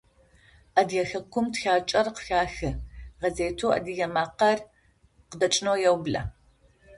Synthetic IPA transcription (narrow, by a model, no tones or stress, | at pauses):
ʔɐdjɛxɐkʷʰʊmtxaːt͡ʃʼɐrqə̥xaːxɨʁɐzeːtʰoːʔɐ̰dijɐmaːqɐr | qədɐt͡ʃʼɪnowjɛwblɐ̰